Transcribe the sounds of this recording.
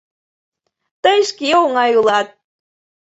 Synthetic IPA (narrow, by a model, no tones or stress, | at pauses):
t̪əjʃkiuŋɑjulˠɑt̪̚